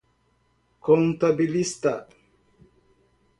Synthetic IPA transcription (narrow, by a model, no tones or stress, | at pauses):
kɔnt̪abilist̪a̰